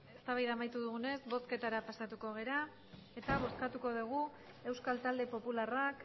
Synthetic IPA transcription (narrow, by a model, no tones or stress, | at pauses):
e̞st̪aβajðamajt̪uðuɣune̞zbo̞ske̞t̪aɾapasat̪uko̞ɣ̞e̞ɾa | e̞t̪aβo̞skat̪uko̞ðuɣ̞u | e̞wskalt̪ald̪e̞po̞pularak